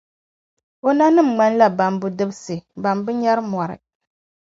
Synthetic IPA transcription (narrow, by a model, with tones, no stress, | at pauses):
o˦na˦nɨ˦m̩ŋ͡ma˦n˦la˨ba˨mbʊ˨dɨ˦bsɨ˨ba˨mbɨ˦ɲɛ˦ɾɨ˦m˨ɔ˨ɾɨ̰˨